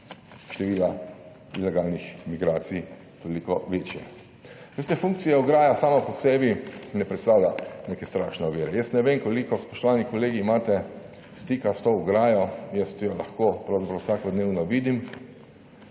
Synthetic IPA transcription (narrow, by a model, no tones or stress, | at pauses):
ʃt̪ɛʋiːla | ilɛɡalnixmiɡɾaːt̪sij | t̪olikɔʋeːt͡ʃjɛ̰ | ʋest̪ɛfuŋk̚t̪sijɛuɡɾaːjasaːmɔpɔsɛːbinɛpɾɛt̪st̪aːwlʲjanekɛst̪ɾaʃnɛɔʋiːɾɛjəst̪nɛʋemkɔlikɔspɔʃt̪ɔʋanikɔleːɡiːmaːt̪ɛ | st̪iːkast̪ouɡɾaːjɔjəst̪jɔlaxkopɾawzapɾawsaːkɔd̪neːwnɔʋiːd̪im